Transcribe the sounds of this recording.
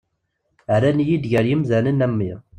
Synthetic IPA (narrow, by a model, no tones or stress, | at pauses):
ɾænjid̪ʝəɾjəmzænənæmːiʁ